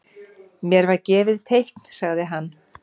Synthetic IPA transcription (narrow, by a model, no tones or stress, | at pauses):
mjɛɾvaɾcɛːvɪðt̪ʰejhkn̥saɣðɪɦanː